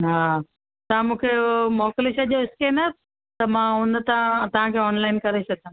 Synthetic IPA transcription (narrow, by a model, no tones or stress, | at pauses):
ɦaː | t̪ɐʋãmũːkʰemɔːklesɐʄoɪskeːna | t̪ɐmãːɦũːnd̪t̪ãt̪ɐʋ̤ãkʰeːɔːnlaːɪnkɐɾesɐt̪ãː